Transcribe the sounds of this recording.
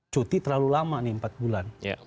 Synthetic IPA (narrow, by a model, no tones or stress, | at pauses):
t͡ʃot̪it̪ərlalulamaniəmpat̪̚bulanja̰